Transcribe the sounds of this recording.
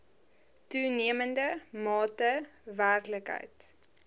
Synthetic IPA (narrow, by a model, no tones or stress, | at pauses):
tuniəməndəmɑːtəværkləkɦə̰jt